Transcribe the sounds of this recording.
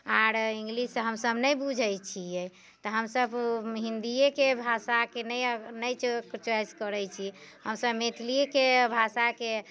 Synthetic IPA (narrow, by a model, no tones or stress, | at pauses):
aɾĩŋɡlisɦəmsəbnəjbud͡ʒʱəjt͡ʃʰiɛ | t̪ɔɦəmsəbɦĩnd̪iekebʱasakenɛjnəjt͡ʃkt͡ʃajskəɾɛjt͡ʃʰihəmsəbmet̪ʰliekebʱasake